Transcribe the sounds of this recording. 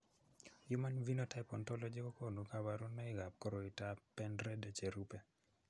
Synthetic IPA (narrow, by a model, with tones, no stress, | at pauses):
ju˦ma˦nvi˦no˦ta˦jpɔ˨ntɔ˦lɔ˦d͡ʒe˦ko˦ko˦˨nu˨ka˦ba˦ɾu˦nːɛ˦ɪɡa˨p̚ko˦ɾo˨i˨ta˦pɛ˦ndɾɛ˦dɛ˦t͡ʃe˨ɾu˦pɛ˦